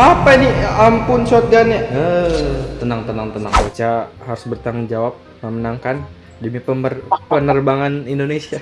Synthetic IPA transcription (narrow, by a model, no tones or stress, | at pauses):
apainiampʊnsot̪̚danaət̪ənaŋt̪ənaŋt̪ənaŋot͡ʃahaɾu̥sbərt̪aŋd͡ʒawap̚ | məmənaŋkan | dəmipəmərpənərbaŋanindonesia